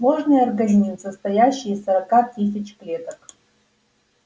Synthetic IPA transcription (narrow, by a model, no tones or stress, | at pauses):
moʐnɨjɐrɡɐnʲimsəst̪ɐjaɕːɪjsɐɾɐkat̪ɨsʲɪt͡ɕplʲet̪ək